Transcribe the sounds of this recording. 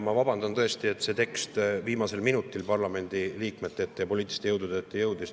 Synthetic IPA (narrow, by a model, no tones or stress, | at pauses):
mɑvɑbɑnd̪̥ɑnt̪ɤe̞st̪ie̞t̪ːse̞t̪e̞kst̪viːmɑse̞lminut̪ˑːilpɑrlɑme̞nʲd̪̥iliːkme̞t̪ːˑet̪ːˑejɑpolʲiːt̪ːˑi̥si̥t̪eɤwd̪̥ud̪̥et̪ːejɤwd̪is